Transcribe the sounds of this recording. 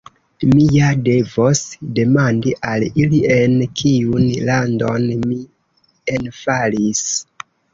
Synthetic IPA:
mijade̞vo̞sde̞mandiʔalilie̞nkʰiunlando̞nmi | enfalis

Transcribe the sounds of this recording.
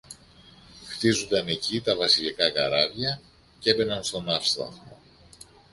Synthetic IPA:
xt̪izund̪ɐne̞cit̪ɐvɐsilikɐkɐɾɐvʝɐ | ce̞be̞nɐnst̪o̞nɐfst̪ɐ̰xmo

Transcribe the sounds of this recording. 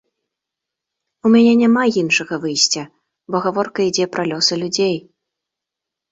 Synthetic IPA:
umʲanʲɛnʲamajinʂɐɣɐvɨjsʲt͡sʲɐ | bɔɣavɔrkɐid͡zʲɛpɾɐlʲɔsɨlʲud͡zʲej

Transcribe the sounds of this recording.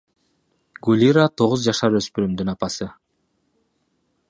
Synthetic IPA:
ɡulʲiɾat̪ʰo̞ʁuzd͡ʒɑʃɑɾø̞spyɾymd̪ynɑpɑsɯ

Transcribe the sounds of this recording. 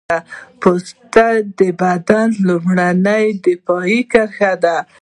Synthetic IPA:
apost̪ad̪əbad̪anlumɽanəjd̪ɪfɑikaɾxad̪a

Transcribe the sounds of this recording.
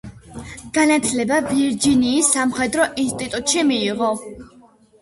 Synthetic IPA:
ɡ̥anat̪ʰlɛbaviɾd͡ʒiniːsːamχɛd̪ɾɔʔinst̪ʼit̪ʼut̪ʼʃimiːʁɔ

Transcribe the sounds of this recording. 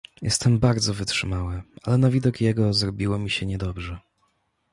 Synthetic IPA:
jʔɛ̰st̪ʰɛmbaɾd̪zɔvɘtʂɘmawɘalɛnavʲid̪ɔkjɛɡɔzɾɔbʲiwɔmʲiɕɛɲɛd̪ɔbʐɛ

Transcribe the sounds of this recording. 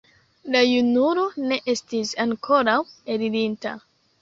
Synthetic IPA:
lajunuɾo̞ne̞ʔe̞stisaŋkʰo̞ɾawe̞ɾiɾinta̰

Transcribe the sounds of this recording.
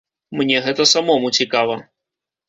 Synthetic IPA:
mnʲɛɣɛt̪ɐsamɔmut͡sʲikavɐ

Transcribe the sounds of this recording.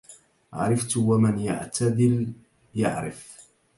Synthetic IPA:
ʕa̰ɾˤɪft̪ʊwamanja̰ʕt̪ʰad̪ɪl | ja̰ʕɾɪ̰f

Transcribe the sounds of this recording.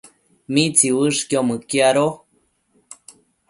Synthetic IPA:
mit͡siβɨʂkiomɨkiaɾo

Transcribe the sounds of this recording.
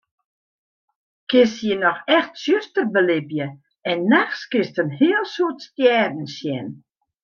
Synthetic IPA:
kɪsjənɔxɛxtsjøstərbəlɪbjə | ɛnːaxskɪstənhɪəlˠsuətstjɛːdn̩sjɛn

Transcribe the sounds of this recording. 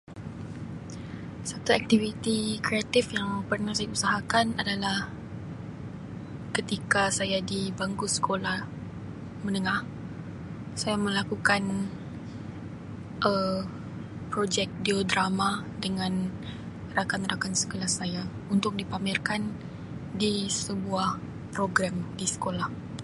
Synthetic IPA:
sat̪uak̚t̪ivit̪ikɾeat̪ɪfjaŋpərnahsajausaɦakanadalah | kət̪ikasajadibaŋɡusə̥kolah | mənəŋah | sajamə̃lakukan | ʔə | pɾod͡ʒɛk̚diodɾamadəŋãn | rakanrakansə̥kolahsaja | unt̪ʊk̚dipamɪrkan | disəbuah | pɾoɡɾamdisə̥kolah

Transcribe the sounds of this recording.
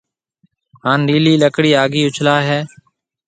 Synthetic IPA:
ɦaːnɾiːliːləkɽiːaːɡiːʊt͡ʃʰlaːɦɛː

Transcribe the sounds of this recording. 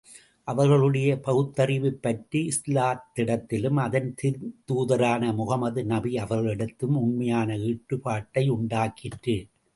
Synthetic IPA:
ʔɐʋɐɾɣɐɭɯɽɐjɐpɐɣɯt̪ːɐɾɪʋɪpːɐʈriɪslaːt̪ːɪɽɐt̪ːɪlɯmɐðɐnt̪ɪɾt̪uːðɐɾaːnɐmʊɣɐmɐðɯnɐbiɐʋɐɾɣɐɭɪɽɯt̪ːɯmʊɳmɐjaːnɐiːʈːɯpaːʈːɐɪʊɳɖaːkɪʈrɯ

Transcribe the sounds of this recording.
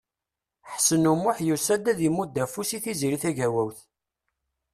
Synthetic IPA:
ħsənumʊħjusæd̪æðimːud̪ːæfusiθiziɾiθæʝæwæwθ

